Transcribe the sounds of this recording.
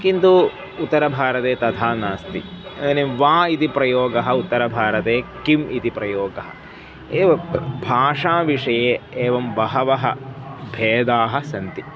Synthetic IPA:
kint̪u | ut̪ːɐɾɐbʱaːɾɐt̪eːt̪ɐt̪ʰaːnaːst̪ḭɐnd̪ɐneʋãːit̪ipɾɐjoːɡɐɦɐut̪ːɐɾɐbʱaːɾɐt̪eːkimʔit̪ipɾɐjoːɡɐɦɐ̰̆ | eːʋɐbʱaːʂaːʋiʂɐjeːeːʋɐmʋɐɦɐʋɐɦɐbʱeːd̪aːɦɐsɐnt̪i

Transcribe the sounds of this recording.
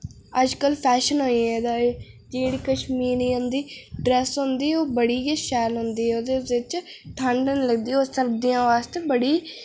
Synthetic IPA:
əd͡ʒkəlpʰɛːʃənɦoːiːɛed̪aːeːd͡ʒiːɽikəʃmiːɾiːɦʊnd̪iːɖɾɛːsɦʊ̃nd̪iːoːbəɽiːɡeʃɛːlɦʊnd̪iːɛːoːd̪eːɪt͡ʃʈʰəɳɖənləɡd̪iːoːsəɾbd̪iːjãːʋaːst̪eːbəɽiː

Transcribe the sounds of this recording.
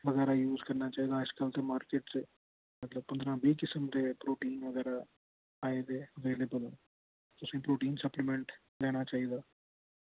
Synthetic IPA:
ʋəɡɛːɾaːjuːzkəɾnaːt͡ʃaːiːd̪aːd͡ʒkəlt̪eːmaːɾkeːʈt͡ʃe | mət̪ləb̚pə̃nd̪ɾãːbiːkɪsəmd̪eːpɾoːʈiːnʋəɡɛːɾaː | aːed̪eːəʋeːleːbəl | t̪ʊsĩːpɾoːʈiːnsəplɪmɛ̃ɳʈ | d̪ɛːɽ̃aːt͡ʃaːiːd̪aː

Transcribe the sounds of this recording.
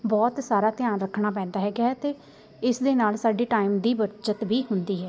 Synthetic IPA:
bɔːt̪saːɾaːt̪ɪjaːnɾəkʰɽ̃aːp̬ɛ̃ːnd̪aːɦɛːɡaːɦɛːt̪eː | ɪsd̪eːnaːlsaːɖeːʈaːɪmd̪iːbəɾt͡ʃət̪biːɦʊnd̪iːɦɛː

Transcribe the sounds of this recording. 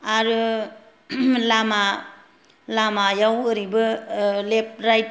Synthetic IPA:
aɾɯ | lama | lamajawɯɾibɯlep̚ɾajt

